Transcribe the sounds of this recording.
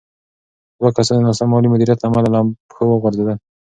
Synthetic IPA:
d̪wakasand̪nɑsamɑlimʊd̪iɾjat̪laːmalalaxəwəɣwaɾzed̪əl

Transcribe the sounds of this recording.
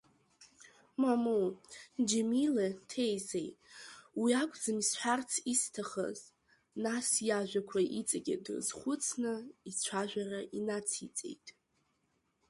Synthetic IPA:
mamod͡ʒemiletʰejzejwiakʷʼd͡zɨmisħʷart͡sʰistʰaχə̰z | nasjaʒʷᶣakʷʰaʔit͡sʼaɡʲidɨ̰zχʷʊt͡sʰnɨit͡sʷʰaʒᶣʷaraʔinat͡sʰit͡sʼe̞̰jtʼ

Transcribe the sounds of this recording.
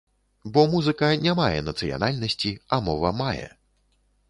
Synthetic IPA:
bɔmuzɨkɐnʲamajɛ̰nɐt̪sɨja̰nalʲnɐsʲt͡sʲiɐmɔvɐmajɛ̰

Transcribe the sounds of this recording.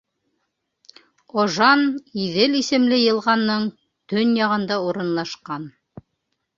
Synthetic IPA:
oʒɑniðɘlisɘ̆mlɘjɤ̆lˠʁɑnːɤɴ | t̪ɵnjɑʁɤ̆nd̪ɑuɾɤ̆nlˠɑʃqɑn

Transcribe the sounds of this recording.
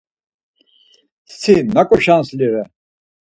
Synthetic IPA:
ssʰinakʼɔʃansliɾɛ

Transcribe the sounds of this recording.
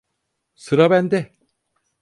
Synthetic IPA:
sʰɯɾʌband̪e

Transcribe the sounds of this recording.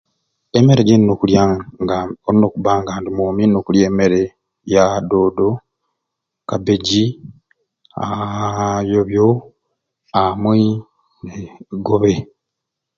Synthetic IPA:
eme̞ɾeɟinnokuljaɡaoɾinokuβaːŋɡaːndimoːminokulje̞ːmeɾe | jadoːdo | kabeɟi | a | joβjo | amwi | neɡoβe

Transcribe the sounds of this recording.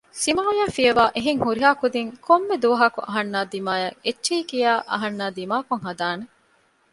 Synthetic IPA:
simaːjaːfijɐʋaːʔeɦeŋhuɾiɦaːkud̪iŋkʰomːed̪uʋɐɦɐkuʔɐɦɐnːaːd̪imaːjɐet͡ʃːʃiːkijaːʔɐ̰ɦɐnːaːd̪imaːkuŋɦɐd̪aːne

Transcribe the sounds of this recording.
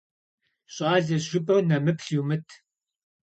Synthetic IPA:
ɕʼaːɮɐzʒʷʊpʼɐwnɐmɨpʰɬjumɨtʰ

